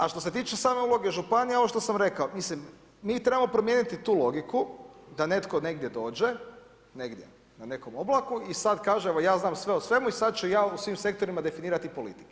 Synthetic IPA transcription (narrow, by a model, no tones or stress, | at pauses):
aʃt̪o̞se̞t̪̬iːt͡ʃesaːme̞ulˠo̞ɡe̞ʒupanijeoʋoʃt̪osamɾe̞kaomislimː | iːt̪ɾe̞bamo̞pɾomjeːnit̪it̪uːlˠo̞ɡikud̪ane̞t̪kone̞ɡd̪je̞d̪o̞ːd͡ʒe̞ | neɡd̪jḛ | nane̞ko̞moblˠakuisad̪kaːʒeeʋo̞jaːznaːmsʋe̞osʋe̞muisad̪̚t͡ʃujaːusʋimse̞k̚t̪o̞ɾimad̪e̞finiːɾat̪ipo̞lḭt̪i̥ke